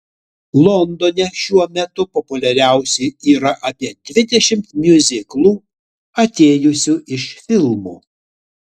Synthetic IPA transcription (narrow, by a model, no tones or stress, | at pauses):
lˠɔnd̪ɔnʲɛʃʲuɔmʲɛt̪ʊpɔpʊlʲɛɾʲæˑʊsʲɛɪiːɾɐʔɐpʲiɛd̪ʲʋʲɪd̪ʲɛʃʲɪmt̪mʲjʊzʲɪklˠuː | ɐt̪ʲeːjʊsʲuʔɪʃfʲɪlˠmoː